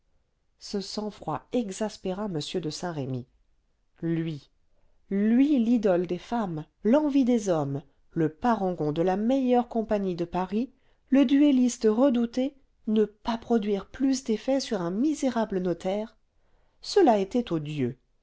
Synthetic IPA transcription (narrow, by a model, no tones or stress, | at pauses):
səsɑ̃fχwaɛɡzaspeʁaməsjød̪əsɛ̃ʁemi | lɥi | lɥilid̪ɔld̪efam | lɑ̃vid̪ezɔm | ləpaʁɑ̃ɡɔ̃d̪əlamejœʁkɔ̃paɲid̪əpaʁi | ləd̪yelist̪əʁəd̪ut̪e | nəpapχɔd̪ɥiʁplysd̪efɛsyʁɛ̃mizeʁablənɔt̪ʰɛʁ | səlaet̪ɛt̪od̪jø